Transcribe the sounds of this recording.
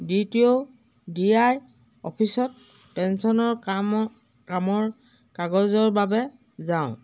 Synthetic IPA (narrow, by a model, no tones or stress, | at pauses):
ditio | diaj | ɔ̰pʰisɔt̚ | pɛnsɔnɔɹ | kamɔɹ | kaɡɔzɔɹbabɛzaʊ̃